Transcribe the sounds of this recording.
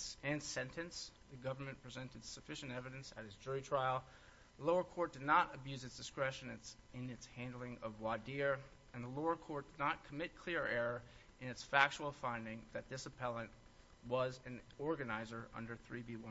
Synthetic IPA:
ɨ̃nsɛ̃ntʰɨ̃nsðɨɡʌvə˞mɨ̃npʰɹ̥izɛ̃ntɨd̥sɨfɪʃɨ̃n̩tɛvɨɾɨ̃nsɨt̚ɨzd͡ʒʊɹitʰɹ̥aɪl̩ˠ | ðəloʊə˞kʰɔɹt̚d̥ɨdⁿnəɾɨbjʉzɨtsd̥ɨskɹɛʃɨ̃nɨsɨ̃nɨtshæ̃ndˡl̩ˠɪ̃ŋʌvwɑdɪɹ | ɨ̃nðəloʊə˞kʰɔɹt̚d̥ɨdⁿnət̚kʰəmɪt̚kʰl̥ɪɹɛɹə˞ | ʔɨ̃nɨtsfæk̚t͡ʃul̩ˠfãɪ̃ndɪ̃ŋðɨt̪̚ðɪsɨpʰɛlˠə̃nʔ | wʌzɨ̃nɔɹɡɨnaɪzə˞ʔʌ̰̃ndə˞θɹibiwʌ̃

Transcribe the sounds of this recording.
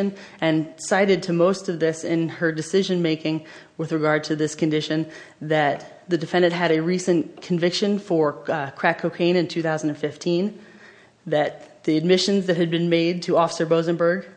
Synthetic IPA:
ɨ̃nɨ̃nsaɪɾɨd̚tʰɨmoʊstʌvðɪsɪ̃nə˞dɨsɪʒɨ̃nmeɪkɪ̃ŋ | wɨðɹɨɡɑɹd̚tʰɨðɪskʰɨ̃ndɪʃɨ̃nðɨt̪̚ | ðɨdɨfɛ̃ndɨ̃nʔ̚ɦɨɾɨɹisɨ̃nkʰɨ̃ɱvɪkʃɨ̃nfə˞kʰɹ̥ækʰːoʊkʰẽɪ̃ñɨ̃ntʰʉθaʊzn̩dɨ̃n̩fɪftʰĩn | ðɨt̪̚ðiɨd̚mɪʃɨ̃nzðɨt̚hɨd̚bɨ̃nmeɪd̚tʰɨɔfə̥sə˞boʊzɨ̃mbə˞ɡ

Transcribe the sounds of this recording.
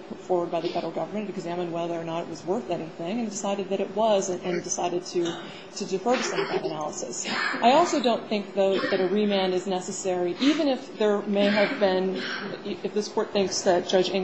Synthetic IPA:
pʰʊtfɔɹwə˞d̚baɪðɨfɛɾəl̩ˠɡʌvə˞mɨ̃nɨɾɨɡzæ̃mɨ̃nwɛlˠðə˞nəɾɨ̰t̚wʌzwɜ˞θɛñĩθɪ̃ŋɨ̃ndɨsaɪɾɨd̪̚ðɨɾɨt̚wʌzɨ̃nʔɨ̃ndɨsaɪɾɨd̚tʰɨ | ɾɨdɨfoʊɾɨsʌ̃mðɨɾɨnælˠəsɨ̰sʔaɪɔlˠsoʊdõʊ̃nθɪ̃ŋk̚ðoʊðɨɾɨɹimæ̃nɨznɛsɨsɛɹiʔivɨ̃ñɨfðə˞meɪɨvbɪ̃n | ɨfðɪspʰɔɹt̪̚θɪ̃ŋksðɨt̚d̥ʒ̥ʌd͡ʒɪ̃

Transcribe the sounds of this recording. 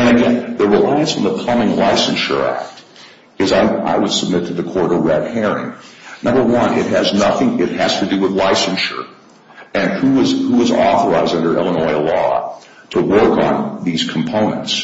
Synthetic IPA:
ɨ̃nɨɡɛ̃nðɨɹɨlaɪɨ̃nsn̩ðəpʰl̥ʌmɪ̃ŋlaɪsɨ̃nʃə̰˞æ̰k̚t | ɨzaɪa̰ɪwəd̥səb̚mɪtʰɨðɨkʰɔɹɾʌvɹɛd̚hɛɹɪ̰̃ŋnʌ̃mbə˞wʌ̃nʔɪ̰t̚ɦɨznʌθɪ̃ŋɪt̚hɨz̥tʰɨdɨwəðlaɪsɨ̃nʃə̰˞ | ɨ̃nhuɪzhuɪzɔ̰θə˞aɪzdʌ̃ndə˞ʔɛ̰lˠə̃nɔɪlɔ̰ | ɾʰəwɜ˞kn̩ðiz̥kʰm̩pʰõʊ̃nɨ̰̃nts

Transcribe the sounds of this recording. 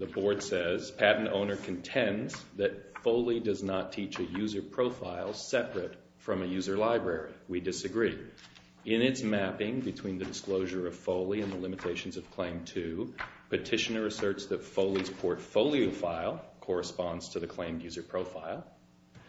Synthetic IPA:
ðəbɔɹd̥sɛz̥pʰæʔn̩tõ̰ʊ̃nə˞kʰn̩tʰɛ̃ndzðɨt̚foʊlˠidʌznətʰit͡ʃɨjʉzə˞pʰɹ̥oʊfaɪlˠsɛpɹɨt | fɹʌ̃mɨjʉzə˞laɪbɹɛɹiwidɨsɨɡɹi | ɪ̃nɨtsmæpɪ̃ŋbɨtʰw̥ĩnðɨdɨskloʊʒə˞ʌv̥foʊlˠiɨ̃nðəlɪ̃mɨtʰeɪʃn̩zʌv̥kʰl̥ẽɪ̃mtʰʉpʰɨtʰɪʃɨnə˞ɨsɜ˞tsðɨtfoʊlˠiz̥pʰɔɹtfoʊlˠioʊfaɪlˠkʰɔɹɨspɑ̃ndz̥tʰɨðɨkʰl̥ẽɪ̃mjʉzə˞pʰɹ̥oʊfaɪlˠ

